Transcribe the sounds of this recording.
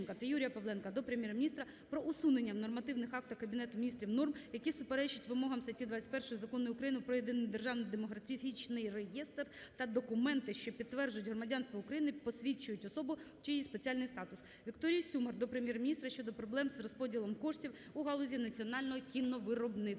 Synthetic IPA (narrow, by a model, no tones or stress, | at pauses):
nkɐt̪ɐjuɾʲijɐpɔʋlˠɛnkɐd̪ɔpɾemʲjɛɾɐmʲnʲist̪ɾɐ | pɾɔʔusunenʲːɐwnɔrmɐt̪ɪwnɪxɑk̚t̪ɐkɐbʲinɛt̪ʊmʲnʲist̪ɾʲiwnɔrmjɐkʲisʊpeɾɛt͡ʃɪtʲʋɪmɔɦɐmsɐtʲid̪ʋɑt͡sʲːɐ̥tʲpɛrʃʊjʊzɐkɔnːɔjʊːkɾɐjinʊpɾɔjed̪ɪnɪjd̪erʒɑwnɪjd̪emɔɦɾɐt̪ʲit͡ʃnɪjrejɛst̪rt̪ɐd̪ɔkʊmɛnt̪ɪʃt͡ʃɔpʲidt̪ːʋɛrd͡ʒʊjʊtʲɦrɔmɐdʲɑnst̪ʋɐʊukɾɐjinɪpɔsʲʋʲit͡ʃːʊjʊtʲɔsɔbʊt͡ʃɪjispet͡sʲɑlʲnɪjst̪ɑt̪ʊs | ʋʲikt̪ɔɾʲijsʲumɐrd̪ɔpɾemʲjɛrmʲinʲist̪ɾɐʃt͡ʃɔd̪ɔpɾɔblˠɛmzrɔspɔdʲilˠɔmkɔʂtʲiw | uɦɑlˠɔzʲinɐt͡sʲiɔnɑlʲnɔɦɔkʲinːɔʋɪɾɔbnɪ